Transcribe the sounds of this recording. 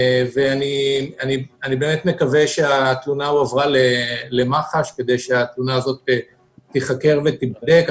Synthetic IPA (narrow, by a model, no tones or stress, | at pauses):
veanianianibeːmet̪me̞kaveʃeat̪lunauavʁalele̞maχaʃke̞d̪ejʃeat̪lunaːzo̞t̪eː | iχakeʁvet̪ibd̪e̞k